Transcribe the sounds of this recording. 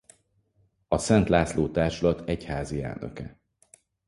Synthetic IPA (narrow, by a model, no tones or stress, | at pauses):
ɒsɛnt̪laːtsloːt̪aːrʃulɒt̪ɛchaːziɛ̰lnʔø̰kɛ